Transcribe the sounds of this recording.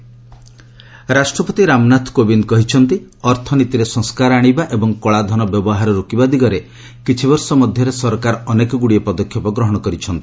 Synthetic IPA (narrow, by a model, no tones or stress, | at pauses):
ɾasʈɾɔpɔt̪iɾamnat̪ʰkobinkɔɦit͡ʃʰɔnt̪iɔɾt̪ʰɔnit̪iɾesɔ̃ŋskaɾaɽ̃ibaʔebɔŋkɔɭad̪ʱɔnɔbjɔbɔɦaɾɔɾukibad̪iɡɔɾe | kit͡ʃʰibɔɾsɔmɔd̪ʱjɔɾesɔɾkaɾɔɔnekɔɡuɽiepɔd̪ɔkʰjɔpɔɡɾɔɦɔɽ̃ɔkɔɾit͡ʃʰɔnt̪i̥